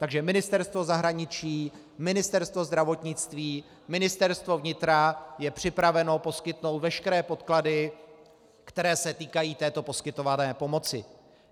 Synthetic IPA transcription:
t̪aɡʒɛmɪnɪst̪ɛɾst̪vo̞zaɦɾaɲɪt͡ʃiː | mɪnɪst̪ɛɾst̪vo̞zd̪ɾavo̞t̪ɲɪt͡st̪viː | mɪnɪst̪ɛɾst̪vo̞vɲɪt̪ɾajɛpr̝̥ɪpɾavɛno̞po̞skɪt̪no̞wt̪vɛʃkɛɾɛːpo̞t̪kladɪ | kt̪ɛɾɛːsɛt̪iːkajiːt̪ɛːt̪o̞po̞skɪt̪o̞vanɛːpo̞mo̞t͡sɪ

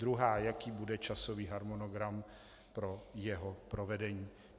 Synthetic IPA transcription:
dɾuɦaːjakiːbudɛt͡ʃaso̞viːɦaɾmonoɡɾam | pɾo̞jɛɦopɾovɛdɛɲiː

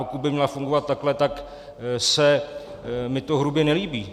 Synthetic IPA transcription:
pokut̪̚bɪmɲɛlafuŋɡovat̪̚t̪ːaklɛt̪ak | sɛ | mɪt̪o̞ɦɾubjɛnɛliːbiː

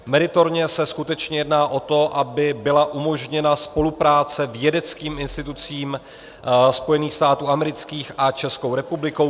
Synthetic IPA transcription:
mɛɾɪt̪o̞ɾɲɛsɛskut̪ɛt͡ʃɲɛjɛdnaːʔo̞t̪o̞ʔabɪbɪlaʔumo̞ʒɲɛnaspo̞lupɾaːt͡sɛvjɛdɛt͡skiːmɪnst̪ɪt̪ut͡siːm | spo̞jɛniːxst̪aːt̪uːamɛɾɪt͡skiːxʔat͡ʃɛskowɾɛpublɪko̞w

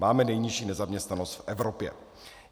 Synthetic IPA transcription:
maːmɛnɛjɲiʃiːnɛzamɲɛst̪nanost̪fʔɛvɾopjɛ̰

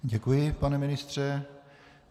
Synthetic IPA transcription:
ɟɛkujɪpanɛmɪnɪst̪r̝̥ɛ

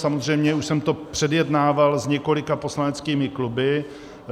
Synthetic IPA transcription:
samozr̝ɛjmɲɛuʃsɛmt̪o̞pr̝̥ɛdjɛdnaːvalzɲɛko̞lɪkapo̞slanɛt͡skiːmɪklubɪ

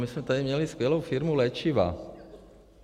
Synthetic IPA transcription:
mismɛt̪ad̪imɲɛliskʋɛloʊfiɾmulɛt͡ʃiʋa̰

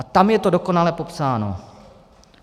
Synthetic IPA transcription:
at̪amjɛt̪o̞doko̞nalɛpo̞psaːno̰

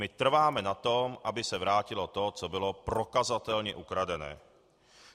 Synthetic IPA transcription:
mɪt̪r̩vaːmɛnat̪omʔabɪsɛvɾaːcɪlot̪ot͡sobɪlopɾokazat̪ɛlɲɛ̰ʔukɾadɛnɛ̰ː

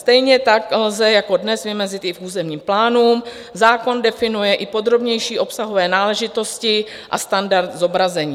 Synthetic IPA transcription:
st̪ɛjɲɛt̪aklzɛjako̞dnɛsvɪmɛzɪt̪ɪfuːzɛmɲiːmplaːnuːm | zaːko̞ndɛfɪnujɛʔɪpo̞d̪ɾo̞bɲɛjʃiːʔo̞psaɦo̞vɛːnaːlɛʒɪt̪o̞scɪ | ʔa̰st̪andaɾt̪zo̞bɾazɛɲiː

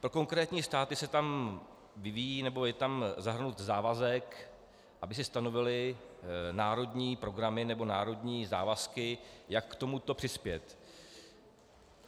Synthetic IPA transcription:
pɾo̞ko̞ŋkɾɛːt̪ɲiːst̪aːt̪ɪsɛt̪am | vɪvijiːnɛbo̞jɛt̪amzaɦr̩nut̪zaːvazɛk | ʔabɪsɪst̪ano̞vɪlɪ | naːɾo̞d̪ɲiːpɾo̞ɡɾamɪnɛbo̞naːɾo̞dɲiːza̰ːvaskɪjakːt̪o̞mut̪o̞pr̝̥ɪspjɛt̪

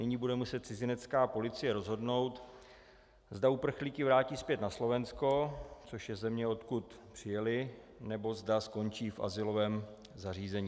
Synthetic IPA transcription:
nɪɲiːbudɛmusɛt̪̚t͡sɪzɪnɛt̪t͡skaːpo̞lɪt͡sɪjɛɾo̞zɦo̞dno̞wt̪ | zdaupr̩xliːkɪvɾaːciːspjɛt̪naslo̞vɛnsko̞t͡so̞ʃjɛzɛmɲɛo̞t̪kut̪pr̝̥ɪjɛlɪ | nɛbo̞zdasko̞nt͡ʃiːfʔa̰zɪlo̞vɛːm | zariːzɛɲiː

